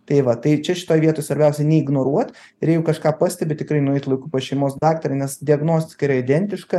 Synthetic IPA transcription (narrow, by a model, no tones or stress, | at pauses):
t̪ɐɪʋɐt̪ɐɪt͡ʃʲɛʃʲɪ̥t̪oːjʋʲiɛt̪oːjsʋɐɾʲbʲɛʊsʲɛnʲɛɪɡnoːɾuɔt̪ɪɾjɛjɛʊkɐʃkɑːpɑːsʲt̪ʲɛbʲɪt̪ʲɪkɾɐɪnʊɛɪt̪lˠɐɪkupɐʃʲɛɪmoːsd̪ɑːkt̪ɐɾʲɐɪnʲɛsd̪ʲɪɐɡnoːsʲt̪ʲɪ̥kɐɪɾɐɪd̪ʲɛnʲt̪ʲɪʃkɐ